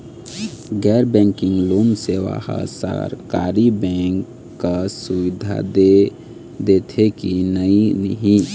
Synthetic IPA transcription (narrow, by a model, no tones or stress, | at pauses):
ɡɛːɾbɛ̃ːŋkɪ̃ŋɡloːmseʋa̰ha̰sa̰ɾka̰ːɾibɛ̃ŋkː | asuʋɪd̪ʱa̰d̪e | d̪et̪ʰekinəinəɦĩ